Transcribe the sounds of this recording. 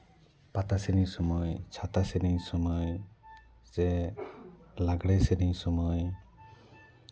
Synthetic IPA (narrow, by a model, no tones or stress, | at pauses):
pat̪asiɾiɲsɔmɔjt͡ʃʰat̪asiɾiɲsɔmɔj | ze | laɡɽeseɾiɲsɔmɔj